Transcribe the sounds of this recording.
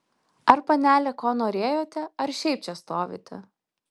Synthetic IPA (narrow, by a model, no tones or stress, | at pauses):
ɐɾpɐnʲæːlʲɛkoːnoːɾʲeːjoːt̪ʲɛɐɾʃʲɛɪp̚t͡ʃʲɛst̪oːʋʲḭːt̪ʲɛ̰